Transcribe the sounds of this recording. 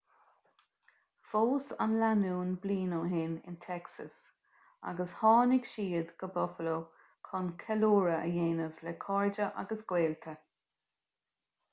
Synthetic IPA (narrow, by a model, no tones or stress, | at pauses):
foːsa̰nlanuːnbliːnoːɦɪnɪ̰nt̪ʰɛksə̰s | a̰ɡəshɑːnɪɡʃiːd̪ɡ̥əbɔfəlo | kʰɔnkʰɛluːɹəə̰jeːnəvlɛkʰɔɹd͡ʒəʔa̰ɡəsɡ̥weːlt̪ʰə